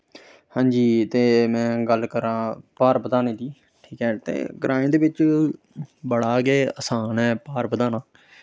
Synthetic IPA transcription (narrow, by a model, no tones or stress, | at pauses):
hãːɲd͡ʒiːt̪eːmɛ̃ːɡəlkəɾãːpaːɾbəd̪aːneːd̪iː | ʈʰiːkɦɛːt̪ḛːɡəɾʔaːẽːd̪eːbɪt͡ʃ | bəɽaːɡeːəsaːnɛːpaːɾbəd̪aːnaː